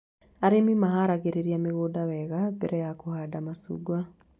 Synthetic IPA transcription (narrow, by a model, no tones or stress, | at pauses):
aɾemimaɦaɾaɣeɾeɾiameɣoːdawɛɣabɛɾɛjakohadamasṵɡwa